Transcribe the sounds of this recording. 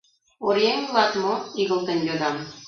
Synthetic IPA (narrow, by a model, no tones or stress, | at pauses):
oɾeŋlˠɑt̪moiɣɤ̆lˠt̪ɤ̆nʲjʲod̪ɑm